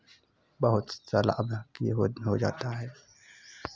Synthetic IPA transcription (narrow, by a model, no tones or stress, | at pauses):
bəɦʊt̪saːla̰ʔbakjḛɦoːd̪nɦod͡ʒa̰ːt̪aɦɛː